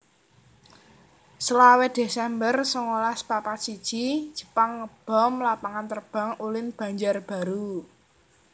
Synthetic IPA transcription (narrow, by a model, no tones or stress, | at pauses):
səlawed̪̥esɛmbərsɔŋolaspapat̪sid̥ʒ̥id̥ʒ̥ə̤̥paŋəb̥ɔ̤mlapaŋant̪ərb̥a̤ŋulɪnb̥ä̤ɲd͡ʒarb̥a̤ɾu